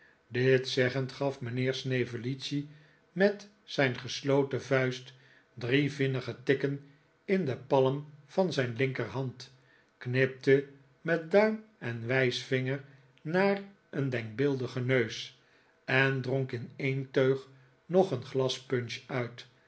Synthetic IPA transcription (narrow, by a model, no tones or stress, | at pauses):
dɪtsɛχəntχɑfmənɪːɹsnevəlitsi | mɛt | sɛjnχəslowtəvœɥst | drivɪnəχətɪkən | ɪndəpɑləmfɑnzɛjnlɪŋkərɦɑnt | knɪp̚tə | mɛt̚dœɥmɛnʋɛjsfɪŋəɹ | naːr | ʔəndɛŋk̚bɪlˠdəχənøɥs | ɛndroŋkɪnejntøɥχ | noχənχlɑspɵnʃœɥt